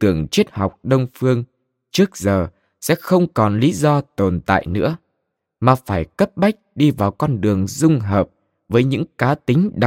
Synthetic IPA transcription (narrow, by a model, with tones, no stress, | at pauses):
t̪ɨ˨˩əŋt͡ɕi˦˥ət̚ha˨˩wk͡p̚ɗə˧wŋ͡mfɨ˧əŋ | t͡ɕɨ˦˥ək̚zəː˨˩ | sɛ̰˧˥xə˧wŋ͡mkɔ˨˩nli˨˦zɔ˧t̪o˨˩nt̪a̰ː˧˨jnɨ̰˧˥ə | maː˨˩faː˧˩jkə˦˥p̚ɓa˦˥jk̟̚ɗi˧vaː˨˩wkɔ˧nɗɨ˨˩əŋzʊ˧ŋ͡mɦəː˨˩p̚ | vəː˨˦jɲɨ̰˧˥ŋkaː˨˦t̪ï˨˦ŋ̟ɗa˨